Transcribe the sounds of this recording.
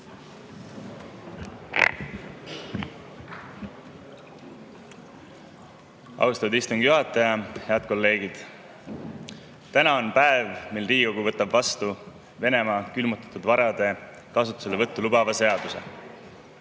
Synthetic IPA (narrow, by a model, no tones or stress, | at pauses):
ɑ̰wst̪ɑt̪ud̪ist̪uŋɡ̥juɦɑt̪ːˑɑjɑhe̞ɑd̪̥̚ko̞lːe̞ːɡ̥id̪̥ | t̪ænɑonpæevmilriːɡiɡo̞ɡ̥uvɤt̪ːˑɑbvɑst̪u | ve̞ne̞mɑːkylmut̪ːˑɑ̥t̪ːud̪vɑɾɑd̪̥e̞ | kɑs̬ut̪ːu̥selːevɤt̪ːulubɑvɑse̞ɑd̪̥use̞̰